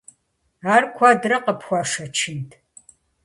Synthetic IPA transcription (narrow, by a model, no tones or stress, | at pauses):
aːrkʷʰɔdrɐqəpxʷɔʂɐt͡ʃʰɪntʰ